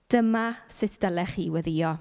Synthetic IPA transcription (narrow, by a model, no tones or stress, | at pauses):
d̥əmasɪtʰd̥əlˠɛχiwɛðijɔ